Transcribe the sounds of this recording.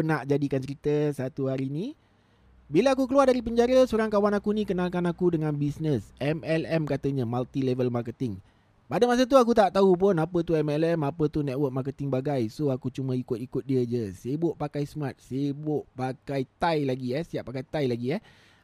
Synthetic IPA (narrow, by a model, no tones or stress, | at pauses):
naʔd͡ʒadikant͡ʃəɾit̪əsat̪uɦaɾini | biləakuk̬əluardaɾip̬əɲd͡ʒaɾəsoɾaŋkawanakunĩkənalkanakudəŋãnbisnəsʔɛmɛlɛmkat̪əɲəmalt̪ilɛvəlmakət̪ɪŋ | padamas̬ət̪̬uak̬ut̪aʔt̪aɦup̬ʊnapət̪uɛmɛlɛmapət̪unɛt̪̚wəʔ̚mark̬ət̪ɪŋbaɡajsoakut͡ʃumə̃ikʊt̪̚ikʊt̪̚diəd͡ʒəsebʊʔpakajsəmat̪̚sebʊʔpakajt̪ajlaɡiɛsiaʔpakajt̪ajlaɡiɛh